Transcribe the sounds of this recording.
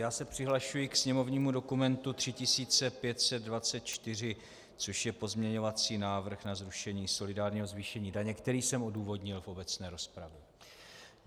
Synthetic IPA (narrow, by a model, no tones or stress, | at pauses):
jaːsɛpr̝̥ɪɦlaʃujɪksɲɛmo̞vɲiːmudo̞kumɛnt̪ut̪r̝̥ɪcɪsiːt͡sɛpjɛt̪sɛd̪̚dvat͡sɛt̪̚t͡ʃt̪ɪr̝ɪ | t͡so̞ʃjɛpo̞zmɲɛɲo̞vat͡siːnaːvr̩xnazɾuʃɛɲiːso̞lɪdaːɾɲiːɦo̞zviʃɛɲiːdaɲɛkt̪ɛɾiːsɛmʔo̞duːvo̞dɲɪlfo̞bɛt͡snɛːɾo̞spɾavjɛ